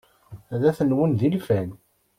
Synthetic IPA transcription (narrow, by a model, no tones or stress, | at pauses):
æðæθənwənðilfæn